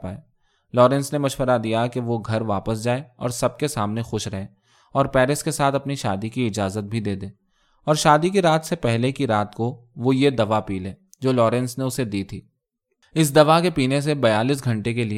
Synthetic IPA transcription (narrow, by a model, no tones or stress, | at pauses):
paːeː | lɔːɾɛ̃nsnemɐʃʋəɾad̪ijakeʋoɡʱɐɾʋaːpəsd͡ʒaːeɔ̰ːɾsɐb̚kesaːmnexʊʃɾɐɦẽː | ɔːɾpɛːɾɪskesaːt̪ʰɐpniʃaːd̪ikiɪd͡ʒaːzət̪̚bʱid̪eːd̪ẽː | ɔːɾʃaːd̪ikiɾaːt̪sepɛɦlekiɾaːt̪ko | ʋojed̪ɐʋapiːlẽː | d͡ʒoːlɔːɾɛ̃nsneʊsed̪iːt̪ʰiː | ɪs̬d̪ɐʋakepiːnes̬ebɐjaːliːs̬ɡʱɐ̃ɳʈekeli